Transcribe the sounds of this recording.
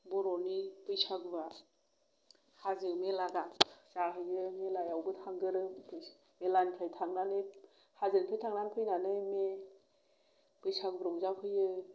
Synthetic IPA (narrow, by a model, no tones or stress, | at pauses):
bɔɾɔnipɯjsaɡba | hazɯmelaɡazaɦɯjɯmelajawbɯtʰaŋɡɯɾɯpʰɯ | melanpʰajtʰaŋnanɯj | hazɯŋpʰajtʰaŋnanpʰɯjnanɯme | pɯjsaɡ̚bɯɾɔŋzapʰɯjɯ